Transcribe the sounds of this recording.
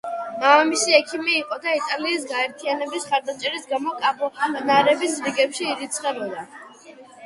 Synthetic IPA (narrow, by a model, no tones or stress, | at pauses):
mamisiɛkʰimiːqʼɔd̪ait̪ʼaliːsɡaɛɾt̪ʰianɛbisχaɾd̪at͡ʃʼɛɾisɡamɔkʼabɔnaɾɛbisɾiɡɛpʃiːɾit̪sʰχɛbɔla